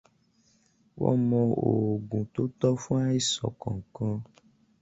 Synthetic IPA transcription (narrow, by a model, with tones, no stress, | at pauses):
wɔ̰˦mɔ̃˧o˨ɡũ˨t̪o˦t̪ɔ˦fũ˦a˦i˦sɔ̰˨kɔ̃˨ŋ̩˨kɔ̃˦